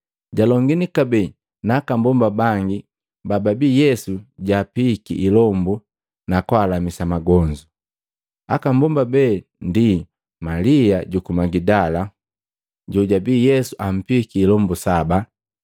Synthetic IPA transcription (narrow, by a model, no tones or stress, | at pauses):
ɟalɔŋɡinikabɛ | nakambɔmbabaŋɡi | bababijɛsuɟapikḭʔilɔmbu | nakwalamisamaɡɔɲd͡ʒu | a̰kambɔmbabɛːndi | maliaɟukumaɡidala | ɟɔɟabijɛsuʔam̩pikiːlɔmbusaba